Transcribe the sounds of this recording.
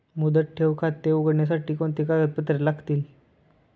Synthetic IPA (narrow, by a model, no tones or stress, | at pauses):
mud̪əʈ̚ʈʰeʋkʰat̪ːeuɡəɽɳjas̬aʈiːkont̪ikaɡət̪̚pət̪ːɾelaɡt̪iːl